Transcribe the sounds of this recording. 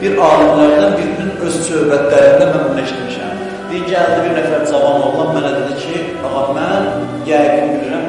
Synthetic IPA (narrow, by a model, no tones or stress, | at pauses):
b̥iɾɑːɾɯmlæɾd̪ænbiɾininøz̥sø̞hbæt̪ʰlæɾind̪æmæmunlæʃt̪iɾmiʃæ̰m | d̪̥ejiɲcʰiæld̪æbiɾnæfæɾzɑvɑmolˠlˠɑnmænɛd̪ed̪icʰi | bɑmɑmæn | jæɡinbiliɾim